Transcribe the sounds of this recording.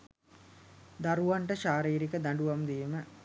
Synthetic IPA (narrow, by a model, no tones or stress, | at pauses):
d̪aɾuʋaɳʈəʃaːɾiːɾikəd̪aɳɖuʋamd̪iːmə